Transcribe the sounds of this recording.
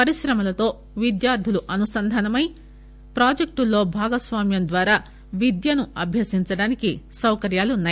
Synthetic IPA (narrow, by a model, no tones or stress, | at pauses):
pɐɾiʃɾɐmɐlɐt̪o̞ː | ʋid̪jaːɾd̪ʱiluʔɐnusɐnd̪ʱɐnɐmɐj | pɾaːd͡ʒek̚ʈulːo̞ːbʱaːɡɐsʋaːmjɐmd̪ʋaːɾaː | ʋid̪jɐnuɐbʱjɐsiɲt͡ʃɐɽaːnikisɐwkɐɾjaːlunːaːj